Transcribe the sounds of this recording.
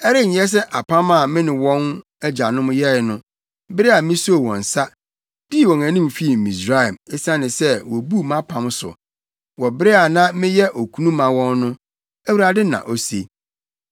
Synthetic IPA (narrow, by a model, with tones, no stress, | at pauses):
ɛ˦ɾɪ˦˨ɲ˨˦ɛ˦s̬ɛ˦ʔa˨pʰã˦mã˦˨mɪ̃˦nɪ̃˨wɔ̃˦n | ɛ˦d͡ʑa˨nʊ̃˦m˦jɛ˦˨nʊ̃˦ | bɪ˦ɾɪ˦a˨mɪ̃˦so˦˨wɔ̰̃˨n̩˨sa˦ | d̥i˦˨wɔ̃˨ŋæ̃˨nĩ˦m˨fi˦˨mĩ˨sɾa˦˨ɛ˨mɪ˦sã˦nɪ̃˨sɛ˦wɔ˨bu˦mã˦pʰã˨m˦sʊ̰˨ | wɔ˨bɪ˦ɾɪ˦a˨nã˦mɪ̃˦jɛ˦ʔo˨kʰu˦nũ˦mã˨wɔ̃˦nːʊ̃˦ | æ˦wu˨ɾa˨dɪ˦nã̰˨ʔo˨sḛ˦